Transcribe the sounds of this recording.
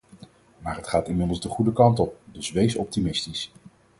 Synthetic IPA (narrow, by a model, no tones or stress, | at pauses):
maːɹətχaːtɪnmɪdəl̩ˠzdəχudəkɑntɔp̚dɵsʋejsɔp̚timɪstis